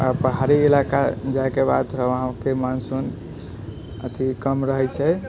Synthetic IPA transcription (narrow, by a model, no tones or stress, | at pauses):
apəɦaɾiilakad͡ʒaekebad̪ɾəɦãkemansun | ə̰t̪ikəmɾəɦɛt͡ʃʰɛ